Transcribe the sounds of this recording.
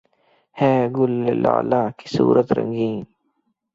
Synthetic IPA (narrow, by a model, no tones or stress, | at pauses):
hɛːɡʊlːela̰ːlaːki̥sṵːɾʔət̪ɾə̰̃ŋɡiːn